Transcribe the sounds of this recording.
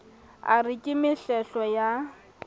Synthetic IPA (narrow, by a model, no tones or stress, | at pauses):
a̰rɪkʼɪmɪɬɛɬɔja